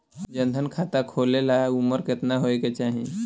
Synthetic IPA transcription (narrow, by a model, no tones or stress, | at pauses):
d͡ʑənd̪ʱənkʰat̪akʰolelauməɾket̪naɦoeket͡ɕaɦĩ